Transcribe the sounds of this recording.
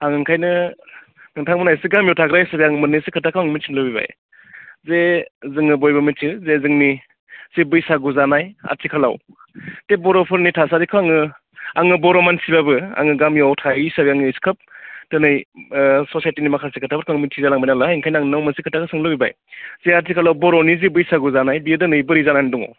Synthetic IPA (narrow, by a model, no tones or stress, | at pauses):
aŋɯŋkʰajnɯ | ŋɯŋtʰaŋmɯnajsiɡamjɔwtʰaɡɾajsabiaŋɯmɯnɯjsikʰɯtʰakʰaaŋmisʰiŋlɯwbiba̰j | zezɯŋɯbojbɐmitʰizezɯŋni | sibɯjsaɡuzanaja̰tʰikʰala̰w | tebɔɾɔpʰɯɾnitʰasaɾikʰɔaŋɯ | aŋɯbɔɾɔmansibabɯa̰ŋɯɡamjawtʰaisabiaŋɯiskʰɯp̚tɯnɯjsosajtinimakʰasekʰɯtʰabɯkʰaŋmitʰizalaŋbajnalaiŋkʰajnaŋnawmɐsikʰɯtʰakʰɯsɯŋlɯbiba̰j | z̥eaɾtʰikʰalawbɔɾownizibɯjsaɡuzanajbidɯnɯjbɯɾizananidɔŋɔ̰